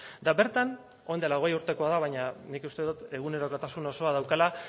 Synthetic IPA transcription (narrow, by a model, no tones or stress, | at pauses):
d̪aβe̞ɾt̪an | o̞jnd̪elao̞ɣe̞juɾt̪e̞ko̞aðaβajɲanikust̪e̞ðut̪e̞ɣ̞une̞ɾo̞ko̞t̪asuno̞so̞að̞awkala